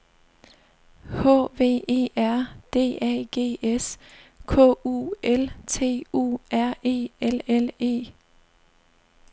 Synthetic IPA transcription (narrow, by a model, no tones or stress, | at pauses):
hɔ̰ːʋe̝̰ːe̝̰ːæɐ̰d̥e̝̰ːɛɡ̥e̝̰ːeskʰɔ̰ṵːʔelt͡sʰe̝̰ːṵːæɐ̰ʔe̝̰ːelele̝̰ː